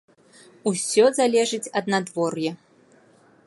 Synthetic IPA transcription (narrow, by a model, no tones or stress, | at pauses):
usʲɔzalʲɛʐɨt͡sʲɐd̪nad̪vɔrjɛ